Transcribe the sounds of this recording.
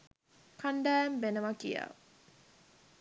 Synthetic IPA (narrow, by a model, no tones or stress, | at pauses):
kʰanɖæːmbenəmakḭja̰